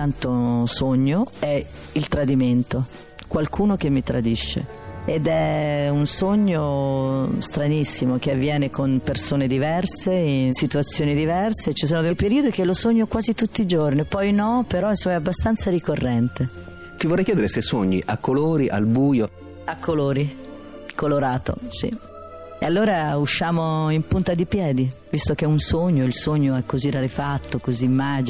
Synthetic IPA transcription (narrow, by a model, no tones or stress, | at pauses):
ant̪osoɲːoɛ | ilt̪ɾad̪iment̪o | kwalkʰuːnokemːit̪ɾa̰d̪iʃːḛ | ed̪ɛunsoɲːo | st̪ɾanisːimok̟eavːjɛːnekonpersoːned̪ivɛrseinsit̪uat̪sːjoːnid̪ivɛrset͡ʃis̬oːnod̪epeɾiːod̪ikelosoɲːokwaːzit̪ut̪ːiːd͡ʒornipɔjnɔpeɾɔinsomaɛabːast̪ant̪saɾikorːɛnt̪e | t̪ivɔrɛjk̟jɛːd̪eɾesesoɲːḭʔa̰kːoloːɾiʔa̰lbuːjo | akːoloːɾi | koloɾaːt̪o̰sḭ | ḛalːoːɾauʃːaːmoimpunt̪ad̪ipjɛːd̪ivist̪ok̟eunsoɲːoilsoɲːoɛkːoziraɾefat̪ːokozimːad͡ʒ